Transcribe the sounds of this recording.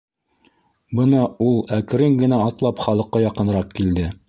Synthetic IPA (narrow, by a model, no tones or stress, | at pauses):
bɤnɑulˠækɘ̆ɾɘŋɡɘ̆næɑt̪lˠɑpχɑlˠɤ̆qːɑjɑqɤ̆nɾɑqkild̪ɘ